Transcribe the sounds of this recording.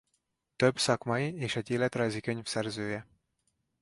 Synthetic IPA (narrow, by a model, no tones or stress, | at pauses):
t̪øbsɒkmɒjieːʃɛɟeːlɛt̪rɒjzikø̞ɲfsɛrzøːjɛ